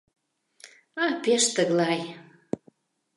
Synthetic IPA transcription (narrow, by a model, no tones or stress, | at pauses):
ɑpeʃt̪əɣlɑj